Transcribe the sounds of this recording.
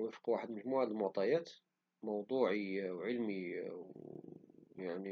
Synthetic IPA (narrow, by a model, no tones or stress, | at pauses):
wəfqwaħəd̪məʒmuʕaləlmwɑt̪ˤːɑjæt̪ | mɑwd̪ˤuːʕiwʕəlmiw | jaʕni